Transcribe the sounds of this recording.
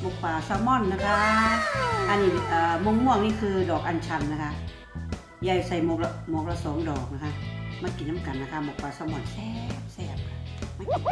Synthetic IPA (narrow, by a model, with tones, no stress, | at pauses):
mo˨˩k̚paː˨˧˩sɔː˧˦mɔ˧˥˨nːa˦˥kʰa˦˥ | ʔa˧nːiː˧˩ʔaː˨˩mo˧ŋmu˧˩əŋniː˥˨kʰɯː˧dɔː˨˩k̚ʔa˧nt͡ɕʰa˧nːa˦˥kʰa˧˥ʔ | ja˧˩jsa˧˩jmo˧kla˧moː˧˦k̚la˧soː˨˦mdɔː˨˩k̚na˦˥kʰa˦˧˥maː˧˥˨ki˨˩nːa˦˥˩mka˨˩nːa˦˧kʰa˦˧mɔː˨˩k̚paː˨˩sɔː˧˦mɔ˧˥˨nsɛː˧p̚sɛː˧˩p̚kʰa˧ | ma˧˨ki˨˩